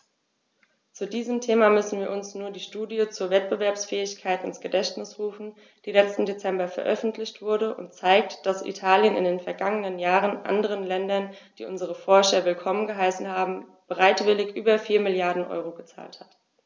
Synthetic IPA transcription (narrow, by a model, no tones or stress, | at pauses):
t͡sudiːzəmtʰeːmamʏsn̩viːɐʔʊnsnuːɐdiːʃtuːdiət͡suːɐvɛt̚b̥əvɛɐpsfɛːɪçkʰaɪtɪnsɡ̥ədɛçtnɪsʁ̥uːfn̩ | d̥iːlɛt͡stn̩det͡sɛmbɐfɛɐʔœfn̩tʰlɪçtv̥ʊɐdəʔʊ̰ntt͡saɪk̚td̥asʔḭtʰaːljənɪ̰ndeːnfɛɐɡaŋənənjaːʁənʔa̰ndəʁ̞ənlɛndɐnd̥ḭːʔʊnzəʁ̞əfɔɐʃɐvɪlkʰɔmənɡəɦaɪsn̩haːbm̩b̥əʁaɪtv̥ɪlɪçʔyːbɐfiːɐmɪljaɐdn̩ʔɔ̰ʏʁoɡət͡sa̰ːlthat